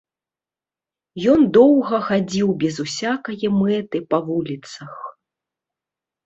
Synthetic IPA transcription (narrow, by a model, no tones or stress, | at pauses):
jɔnd̪ɔwɣɐxad͡zʲiwbʲɛzusʲakɐjɐmɛt̪ɨpɐvulʲit̪sɐx